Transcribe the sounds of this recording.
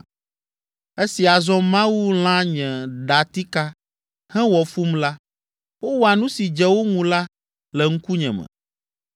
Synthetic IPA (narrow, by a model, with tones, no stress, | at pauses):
e˦si˨a˨zɔ̃˦mã˦wu˦l̃ã˦ɲɛ̃˨ɖa˨t̪i˦ka˦ | hɛ̃˦wɔ˨fu˦mla˦ | wo˦wo˦a˨nũ˦si˨d͡ʒɛ˦wo˦ŋũ˨la˦ | lɛ˨ŋ̩˦ku˦ɲɛ̰̃˨mɛ̰̃˨